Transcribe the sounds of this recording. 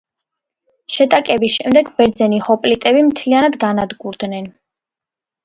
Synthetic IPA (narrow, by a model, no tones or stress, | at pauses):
ʃɛt̪ʼakʼɛbisʃɛmd̪ɛɡbɛɾd̪zɛnihɔpʼlit̪ʼɛbimt̪ʰlianad̪ɡanad̪ɡuɾd̪nɛn